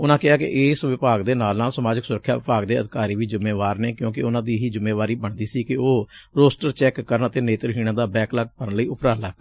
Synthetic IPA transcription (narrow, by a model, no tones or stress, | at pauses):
ʊnãːkɪɦaːkɪ̰ʔɪːsʋɪpaːɡd̪eːnaːlnãːsəmaːd͡ʒəksʊɾəkʰːja̰ːʋɪpaːɡd̪eːəd̪ɪkaːɾiːʋiːd͡ʒʊmːeːʋaːɾneːkjõːkɪʊnãːd̪iːɦiːd͡ʒʊmeːʋaːɾiːbəɳd̪iːsiːkɪoːɾoːsʈəɾt͡ʃɛːkːəɾənət̪eːneːt̪əɾɦiːɽ̃ãːd̪aːbɛːklaːk̚pəɾənləiːʊpɾaːlaː